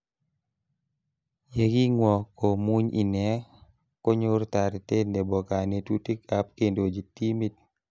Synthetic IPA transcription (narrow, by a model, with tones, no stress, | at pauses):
je˨ɡi˦ŋwɔ˨ko˨mu˦ɲḭ˨nɛ˨˦ | ko˦ɲo˦ɾta˨ɾte˦nde˨bɔ˨ka˨ne˨tu˦ti˦ka˨˦p̚ke˨ndo˨d͡ʒi˨ti˦mi˦t̚